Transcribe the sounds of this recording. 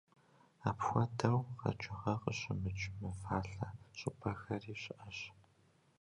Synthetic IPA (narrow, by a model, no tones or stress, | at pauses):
aːpxʷɔdʰɐwqɐ̰t͡ʃʼɪʁɐqəɕɪmɨt͡ʃʼmɨfaːɬɐɕʼɪpʰɐxɐriːɕɪʔɐɕ